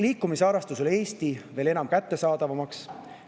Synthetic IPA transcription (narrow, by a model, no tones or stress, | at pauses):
liːkːˑumisɑɾɑst̪usole̞ːst̪ive̞ːle̞nɑmkæt̪ːe̞sɑːd̪̥ɑvɑmɑks